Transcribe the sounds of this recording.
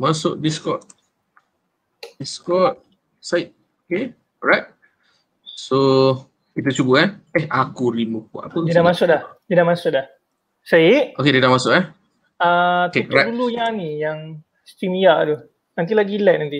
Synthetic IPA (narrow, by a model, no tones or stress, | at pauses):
masʊ̰ʔdiskɔt̚ | diskɔt̚ | saɪt̪̚ | oke | ɔɹajt̚ | so | kit̪at͡ʃubuɛɛhʔakuɾimupua̰ʔapəidamasʊʔlahd̪idamasʊʔlah | saiʔokedidaʔmasʊʔɛ | at̪keɾajulujanijaŋ | st̪ɾimijaʔd̪u | nant̪̬ilaɡilɛʔ̚nant̪i